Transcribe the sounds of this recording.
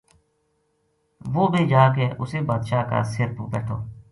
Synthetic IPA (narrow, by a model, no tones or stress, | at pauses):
ʋoːbʱiːd͡ʒaːk̬eːʔʊseːbaːd̪ʃaːka̰ːseɾpuːbɛːʈʰoː